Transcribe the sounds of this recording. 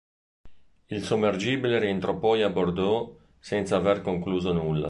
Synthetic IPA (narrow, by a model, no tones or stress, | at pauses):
ilsomːerd͡ʒiːbileɾient̪ɾʔɔpɔjabord̪ɔ | sɛnt̪saːverkoŋkluːzonulːa̰